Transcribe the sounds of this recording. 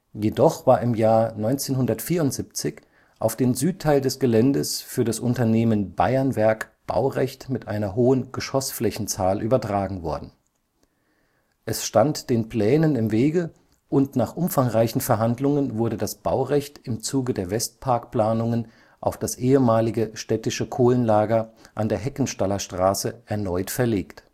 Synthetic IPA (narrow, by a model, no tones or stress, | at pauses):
jedɔχv̥aːɐʔɪmjaːɐnɔʏnt͡seːnɦʊndɐtfiːɐʊntz̥ip̚t͡sɪç | ʔaʊfd̥eːnzyːtʰːaɪldɛsɡ̥əlɛndəsfyːɐɾasʔʊntɐneːmənb̥a̰ɪɐnvɛɐkb̥a̰ʊʁɛçtmɪtʔaɪnɐɦoːənɡ̥əʃɔsflɛçn̩t͡saːlʔyːbɐtʁ̥aːɡŋ̩vɔ̰ɐdn̩ | ʔɛsʃtantd̥eːnpl̥ɛːnənɪmveːɡə | ʔʊntnaːχʔʊmfaŋʁaɪçn̩fɛɐɦandlʊŋənvʊɐɾədasb̥aʊʁɛçtɪmt͡suːɡədeːɐvɛst̚pʰaɐkpl̥aːnʊŋən | ʔaʊfd̥asʔeːəmaːlɪɡəʃtɛtɪʃəkʰoːlənlaːɡɐʔandeːɐɦɛkn̩ʃtalɐʃtʁ̥aːsəʔɛɐnɔʏtfɛɐleːkt